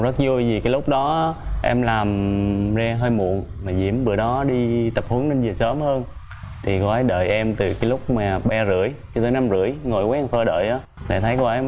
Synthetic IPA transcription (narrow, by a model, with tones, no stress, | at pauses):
zə˦˥t̚zu˧jzi˨˩kaː˨˦jlʊ˦˥k͡p̚ɗɔ˨˦˨ʔɛ̰˧mlaː˨˩mzaː˧ɦəː˧jmṵ˧˨ənmaː˨˩zḭ˧˩˥əmɓɨ̰˧˩əɗɔ˨˦ɗi˧t̪ə˨˩p̚hu˨˦əŋnə˧nzɨ˨˩əsəː˨˦mhəː˧n | t̪ʰi˨˩kɔ˨˦a˨˦jɗə̰ː˧˨jʔɛ˧mt̪ɨ˨˩kaː˨˦lʊ˦˥k͡p̚maː˨˩ɓɛ˧zɨ̰˧˩əjt͡ɕɨ˧t̪əː˨˦jna˧mzɨ̰˧˥əjŋo˨˩jkaː˨˦ɛ˧fəː˧ɗə̰ː˧˨jʔaː˨˦ɗḛ˧˩t̪ʰə˨˦jku˧˩ʔɛ˧m